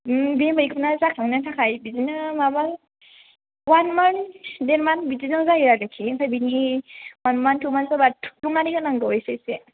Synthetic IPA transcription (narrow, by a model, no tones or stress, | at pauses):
bemajkʰɯnazakʰaŋnatʰakʰajbizinamabal | wanmandeɾmanbizizaŋzaɦiɾalɯkʰikʰajbiniwanmantʰumansabatʰu̥umanikʰanaŋɡɯɔjsese